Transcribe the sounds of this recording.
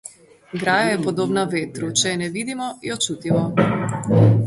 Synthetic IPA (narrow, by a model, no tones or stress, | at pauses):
ɡɾaːjajɛpɔd̪oːbnavet̪ɾut͡ʃɛjɛnɛʋid̪imɔjɔt͡ʃut̪imɔ